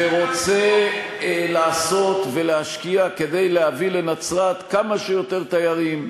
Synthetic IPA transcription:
eʁo̞t͡se | laːso̞t̪ve̞leɦaʃkiake̞d̪e̞jleavilenat͡sʁat̪kamaʃejo̞t̪e̞ʁt̪ajaʁim

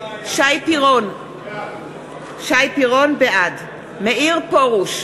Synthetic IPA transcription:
ʃajpiʁon | ʃajpiʁo̞nbeʔad | meʔiʁpoʁuʃ

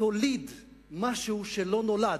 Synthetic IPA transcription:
olid̪ | maʃuʃelonolad̪

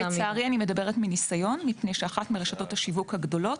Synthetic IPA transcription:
t͡saaʁianime̞dɐbe̞ʁetminisajo̞nmipnejʃeaχatmiʁeʃato̞thaʃivukhaɡdo̞lo̞t

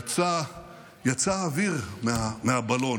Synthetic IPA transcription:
t͡sa | jat͡saːviʁmeameabalo̞

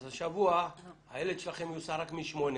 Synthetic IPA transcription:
zaʃavuahajeled̪ʃelaχemjusaɾakmiʃmo̞ne

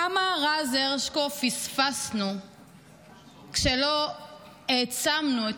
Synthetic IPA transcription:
amaʁazeʁʃkofisfasnu | kʃelo | et͡samnue

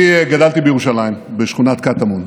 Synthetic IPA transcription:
eɡad̪alt̪ibejeʁuʃalajimbeʃχunat̪̚kat̪amon

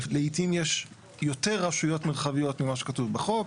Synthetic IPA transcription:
leitimjeʃ | jo̞te̞ʁaʃujo̞tmeʁχavijo̞tmimaʃekatuvbeχo̞k

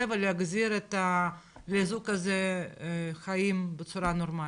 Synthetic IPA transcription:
eveleaɡziɾet̪alezukaze | xaimbet͡suɾanoɾma

